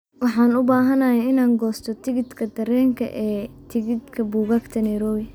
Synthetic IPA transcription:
wɑħɑːnʊbaːɦɐnɐjɛɪnaːŋɡɔːst̪ʰɔt̪ʰɪɡɪd̪kʰɐd̪ɐɾɛːŋkʰɐ̰ʔɛːt̪ʰɪɡɪd̪kʰɐbuːɣɐɡt̪ʰɐnɛːɾɔːwɪ

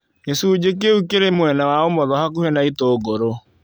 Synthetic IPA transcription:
esud͡ʑek̬eukeɾemwɛnawaomɔðɔhakuhɛnaitoɡoɾo

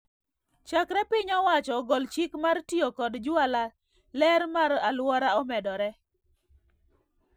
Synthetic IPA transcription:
t͡ʃakɾɛpɪɲɔwat͡ʃɔɡɔlt͡ʃikmartiokɔdd͡ʒwala | lɛɾmaɾalwɔɾaɔmɛdɔɾɛ

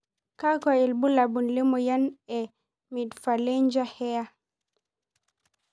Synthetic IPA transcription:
kakɔɛlbulabunlɛmɔjanɛ | midfalɛɲd͡ʒahɛja

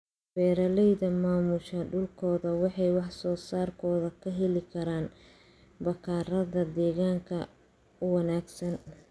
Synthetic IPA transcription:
fɛːɾɐlɛjðɐmaːmʊʃɐɖʊlkʰɔːðɐwɑħɑjwɑħsɔːsaːrkʰɔːðɐkʰɐɦɛlɪkʰɐɾaːn | bɐkʰaːɾɐðɐd̪ɛːɣaːŋkʰɐ | ʊwɐnaːɡsɐn

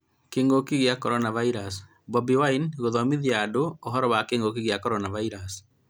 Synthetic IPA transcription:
keːŋɡokiɣjakɔɾɔnavaiɾas | bɔbiwainɣoðɔmiðjadoːɦɔɾɔwakeːŋɡok̬iɣjakɔɾɔnavaiɾas

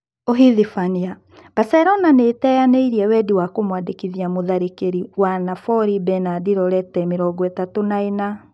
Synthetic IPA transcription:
oɦiðifania | b̥asɛɾɔnanetɛjaneiɾiɛwɛdiwakomwadekiðiamoðaɾekeɾiwanafɔɾibɛnadiɾɔɾɛtɛmeɾɔɡɔetatonaena

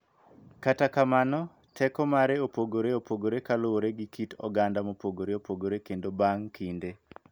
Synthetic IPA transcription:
katakamanɔ | tʰɛkɔmaɾeopoɡoɾeopoɡoɾekalooɾeɡikitɔ̰ɡandamopoɡoɾeopoɡoɾekendobaŋkʰinde

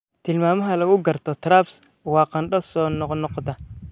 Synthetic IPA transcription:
t̪ʰɪlmaːmɐɦɐlɐɣʊɡɐrt̪ʰɔt̪ʰɾaːbs | wɑːqɑnɗɐsɔːnɔqnɔqd̪ɐ

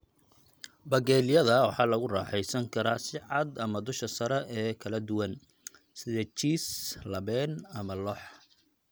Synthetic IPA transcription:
bɐɣɛːlɪjɐðɐwɑħɑːlɐɣʊraːħɛjsɐŋkʰɐɾaːsɪʕɑd̪ɐmɐd̪ʊʃɐsɐɾɛʔɛːkʰɐlɐd̪ʊwɐn | sɪðɛt͡ʃiːslɐβɛːnɐmɐlɔħ

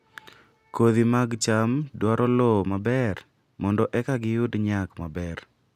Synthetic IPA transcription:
koðimaɡt͡ʃamdwaɾʔɔlɔmabɛr | mɔndɔʔɛkaɡɪjʊdɲakmabɛr

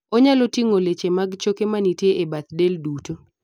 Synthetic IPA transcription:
ɔɲalotiŋolet͡ʃemaɡt͡ʃokemanitjeʔebat̪̚delduto

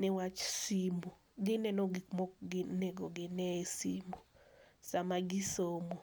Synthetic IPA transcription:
nɛwat͡ʃsimbu | ɡɪnɛnoɡik̚mɔkɡɪneɡoɡɪnɛsimbusamaɡɪsomo

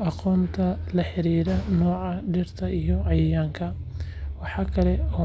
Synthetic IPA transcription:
ʔɑqɔːnt̪ʰɐlɐħɪɾiːɾɐnɔːʕɑɖɪrt̪ʰɐʔijɔɑjjaːŋkʰɐ | wɑħɑːkʰɐlɛɔː

